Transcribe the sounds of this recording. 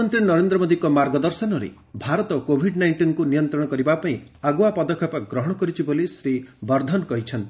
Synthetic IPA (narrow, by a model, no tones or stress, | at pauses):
ɔnt̪ɾinɔɾend̪ɾɔmod̪ikɔmaɾɡɔd̪ɔɾsɔnɔɾḛ | bʱaɾɔt̪ɔkobʱiɖnajɳʈinkunijɔnt̪ɾɔɽ̃ɔkɔɾibapaĩaɡuapɔd̪ɔkʰːɔpaɡɾɔɦɔɽ̃ɔkɔɾit͡ʃʰibolisɾibɔɾd̪ʱɔnkɔɦit͡ʃʰɔnt̪i